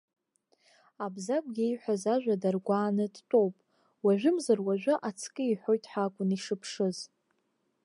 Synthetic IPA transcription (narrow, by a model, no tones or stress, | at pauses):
abzakʷʼɡʲejħʷazaʒᶣʷadarɡʷaːnɨdtʼo̞wpʼ | waʒʷᶣɪmzarwaʒᶣʷʊʔat͡sʰkʼɨiħʷo̞jtʼħakʷʼʊniʂɨpʰʂɨz